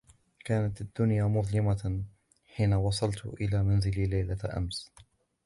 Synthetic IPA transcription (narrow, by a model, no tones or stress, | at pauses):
kaːnat̪ad̪ːʊnjaːmʊðˤlɪma | ħiːnawɑsˤɑlt̪ʔɪlaːmanzɪlilajlaʔa̰ms